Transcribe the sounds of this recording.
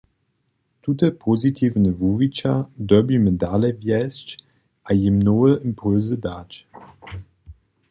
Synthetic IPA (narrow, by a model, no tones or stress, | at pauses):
tʰutəpʰozitʰiːvnəvuːvit͡ʃadɔbimədaləvjɛst͡ʃ | ʔajimnɔːəʔimpʰʊlzədat